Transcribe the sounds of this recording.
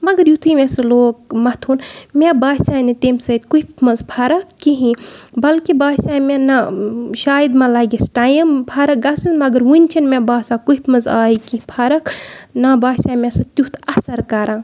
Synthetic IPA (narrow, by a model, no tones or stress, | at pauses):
mɐɡɐɾjut̪ʰuimesɐloːk̚mɐt̪ʰuːnmʲebaːsʲaːnit̪emsɐt̪kuipmɐzpʰaɾɐkːiɦĩbɐlkibaːsaːmenɐʃaːjd̪mãlɐːɡʲisʈaːjɐmpʰɐɾɐk̚ɡɐsɨnmɐɡɐɾʋunʲt͡ʃʰinmebaːsakuipʰmɐzaːikiĩpʰɐɾɐknabaːsʲaːmʲesɨt̪jut̪ʰɐsɐɾkɐɾãː